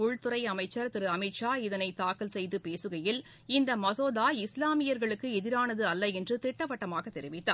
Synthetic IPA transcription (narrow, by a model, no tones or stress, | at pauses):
ʊɻt̪ɯɾɐɪɐmɐɪt͡ʃːɐɾt̪ɪɾɯɐmɪʈʂaːɪðɐnɐɪt̪aːkɐlsɛjðɯpeːsɯɣɐjɪl | ɪnd̪ɐmɐsoːðaːɪslaːmɪjɐɾɣɐɭɯkːɯɛðɪɾaːnɐðɯɐlːɐɛndrɯt̪ɪʈːɐʋɐʈːɐmaːɣɐt̪ːɛɾɪʋɪt̪ːa̰ːɾ